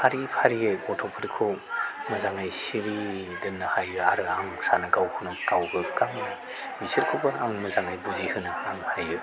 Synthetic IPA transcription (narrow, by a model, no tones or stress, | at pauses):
pʰaɾipʰaɾiejbɔtʰɔpʰɯɾkʰomɐzaŋajsiɾi | dɯnɯhajɯaɾɯaŋsanɯɡawhʰɯnɯkawɡɯkaŋinɯ | bisiɾkʰobɯaŋmɐzaŋajbuzihɯnɯaŋhajɯ